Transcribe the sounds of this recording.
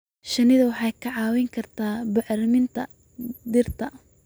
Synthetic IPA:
ʃɐnɪðɐwɑħɑjkʰɐʕɑːwɪŋkʰɐrt̪ʰaːbʊʕɾɪmɪnt̪ʰɐ | d̪ɪrt̪ʰɐ

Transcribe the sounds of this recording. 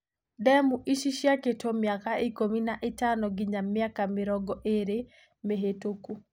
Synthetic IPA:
dɛmuʔiʃiʃjaketʰomjakaikominaʔɪtanɔɡɪɲamjakamɪɾɔɡɔʔeɾe | meɦetoku

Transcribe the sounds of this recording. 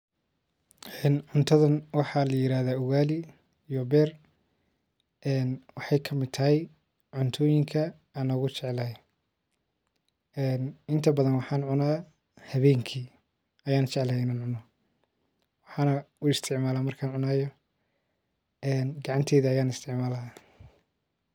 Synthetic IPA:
ʔɛːnʕʊnt̪ʰɐðɐnwɑħɑlɐjɪɾaːðaːʊwɣaːlɪ | ijɔbɛːr | ʔɛːnwɑħɑjkʰɐmɪd̪t̪ʰɐɦɛj | ʕʊnt̪ʰɔːjɪŋkʰɐ | aːnɔːɣʊt͡ʃɛʕɛlɐj | ɛːnɪnt̪ʰɐbɐðɐnwɑħɑːnʕʊnaː | hɐβɛːŋkʰiː | ɐjaːnt͡ʃʰɛʕlaɪnaːnʕʊnɔ | wɑħɑːnɐ | ʊɪst̪ʰɪʕmaːlaːmɐrkʰaːnʕʊnaːjɔ | ɛːnɡɑʕɑnt̪ʰɛːðɐɐjaːnɪst̪ʰɪʕmaːlɐa

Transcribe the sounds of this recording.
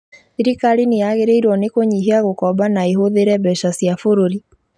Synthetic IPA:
siɾikalinejaɣeɾeiɾwɔnekoɲiɦeaɣokɔbanaeɦoðeɾɛbɛʃasjafoɾoɾi

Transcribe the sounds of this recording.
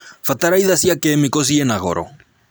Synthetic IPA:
fataɾaiðasiakɛːmikɔs̬ienaɣɔ̰ɾɔ̰

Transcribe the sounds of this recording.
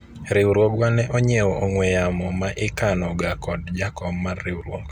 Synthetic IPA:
ɾɪwɾwɔɡwanɛʔɔɲɛɔʔoŋwɛjamɔmaʔɪkanɔɡakɔd̚d͡ʒakɔbːarːɪwɾwɔ̰ɡ

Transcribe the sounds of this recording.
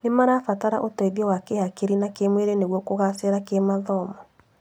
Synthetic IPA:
nemaɾafataɾaʔotɔiðiɔwakeakeɾinakemweɾeneɣwɔkoɣasɛɾakemaðɔmɔ

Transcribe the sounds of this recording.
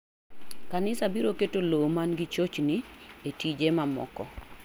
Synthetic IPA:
kanɪsabiɾoketolomanɡit͡ʃot͡ʃnietid͡ʒemamɔ̰kɔ̰

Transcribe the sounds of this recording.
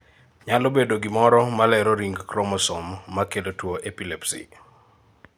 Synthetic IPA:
ɲalobedoɡɪmɔɾɔmalɛɾɔɾiŋɡkɾɔmɔsɔmːakedotwoʔepilepsḭ

